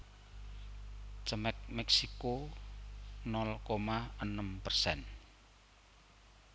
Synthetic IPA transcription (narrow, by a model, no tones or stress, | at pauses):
t͡ʃəmɛk̚mɛksiko | nɔlkomaənəmpərsɛ̰n